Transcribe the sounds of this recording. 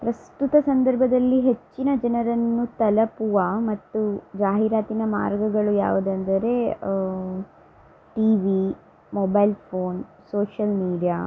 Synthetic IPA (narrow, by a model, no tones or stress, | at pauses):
pɾɐst̪ut̪ɐsɐnd̪ɐɾbʱɐd̪ɐlːiɦet͡ʃːinɐd͡ʒɐnɐɾɐnːut̪ɐlɐpuʋɐmɐt̪ːud͡ʒaːɦiɾaːt̪inɐma̰ːɾɡɐɡɐɭuja̰ːʋud̪ɐnd̪ɐɾe | ʈiːʋi | mɔːbɐjlpʰoːn | soːʂɐlmiːɖija